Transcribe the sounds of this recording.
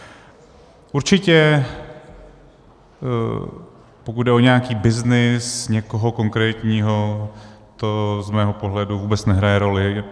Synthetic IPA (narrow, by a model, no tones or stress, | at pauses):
ʔuɾt͡ʃɪcɛ | pokut̪dɛoɲɛakiːbɪznɪsɲɛko̞ɦo̞ko̞ŋkɾɛːt̪ɲiːɦo̞t̪ozmɛːɦo̞po̞ɦlɛduvuːbɛt͡snɛɦɾajɛɾo̞lɪ